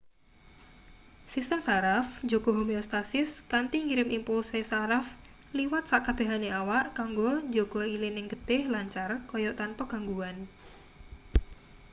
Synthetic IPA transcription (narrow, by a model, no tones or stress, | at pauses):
sist̪əmsaɾafd͡ʒoɡ̥oɦomiost̪asɪskant̪iŋiɾɪmʔimpulsesaɾaf | liwat̪̚saʔkab̥e̤ɦaneawaʔkaŋɡo̥d͡ʒoɡ̥oilɪnɪŋɡ̥əd̪̥ɪhlaɲt͡ʃarkɔjɔʔt̪anpɔɡ̥a̤ŋɡuan